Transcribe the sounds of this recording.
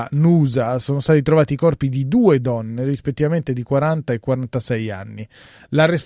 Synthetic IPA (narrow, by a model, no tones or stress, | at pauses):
nuːzasoːnost̪aːt̪it̪ɾovaːt̪ikɔrpid̪id̪uːed̪ɔnːerispet̪ːivament̪ed̪ikwaɾant̪aekːwaɾant̪asɛja̰nːi | laresp